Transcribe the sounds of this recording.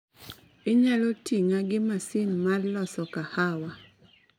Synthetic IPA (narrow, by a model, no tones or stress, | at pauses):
ɪɲalɔtiŋaɡɪmasɪnmarlɔsɔkahawa